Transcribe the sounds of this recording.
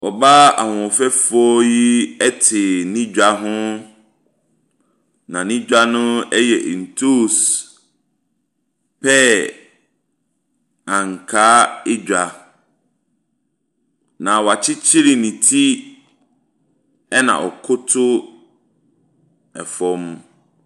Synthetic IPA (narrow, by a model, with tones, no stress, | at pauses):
ɔ˨ba˦a̰˨hʊ̃˨fɛ˦fɔ˦ji˦ɛ˦tʰɪ˨nĩ˦d͡ʑᶣa˨ɦʊ̃˦ | nã˨nĩ˦d͡ʑᶣa˦nʊ̃˦ɛ˦jɛ˨ʔn̩˨tʰo˦˨s | pʰɛ˦ | ã˨ŋ˨kʰaː˨˦ɪ˦d͡ʑᶣa˨ | nã˨wa˨t͡ɕʰɪ˦t͡ɕʰɪ˦ɾi˨nĩ˨tʰi˦ | ɛ˦nã̰˨ʔɔ̰˨kʰʊ˦tʰʊ˦ | ɛ̰˨fɔ˦m˦